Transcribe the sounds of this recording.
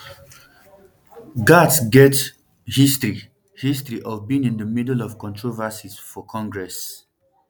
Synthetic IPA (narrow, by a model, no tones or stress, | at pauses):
ɡatsɡɛt | histɹi | histɹiʔɔvbĩŋĩndəmidəlɔv̥kɔ̃ntʰɹovasiz̥fɔkʰɔ̃ŋɡɹɛs